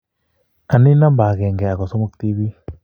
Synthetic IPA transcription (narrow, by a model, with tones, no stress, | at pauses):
a˨ni˦na˦mba˨ɡɛ˨ŋɡɛ˨a˨kɔ˨sɔ˦mu˦k̚t̪i˦bi˦